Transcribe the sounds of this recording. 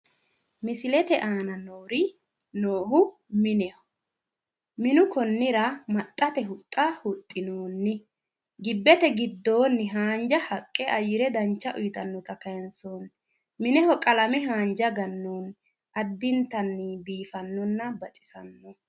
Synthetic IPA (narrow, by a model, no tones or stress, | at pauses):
mɪsɪlɛt̪ɛʔaːnɐnoːɾɪ | noːhʊ | mɪnɛhɔ̥ | mɪnʊkɔnːɪɾɐmɐt̪ʼːɐt̪ɛɦʊt̪ʼːɐhʊt̪ʼːɪnoːnːɪ | ɡɪbːɛt̪ɛɡɪd̪ːo̞ːnːɪɦaːnd͡ʒɐhɐkʼːɛʔɐjɪɾɛd̪ɐnt͡ʃːɐʔʊjɪt̪ɐnːɔt̪ɐkɐjɛnsoːn | mɪnɛhɔkʼɐlɐmɛɦaːnd͡ʒɐɡɐnːoːn | ʔɐd̪ːɪnt̪ɐnːɪbiːfɐnːɔnːɐbɐt͡ʃʼɪ̥sɐnːɔ